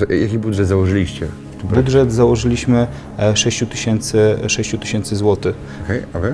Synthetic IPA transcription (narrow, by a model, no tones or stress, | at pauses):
jakʲibud̪ʐɛd̪zawɔʐɘlʲiɕt͡ɕɛ̰ | ft̪ɛbud̪ʐɛd̪zawɔʐɘlʲiɕmɘ | ʂɛɕt͡ɕut̪ɘɕɛnt̪sɘʂɛɕt͡ɕut̪ɘ̥ɕɛnt̪sɘzwɔt̪ɘ | ɔkɛjavɘ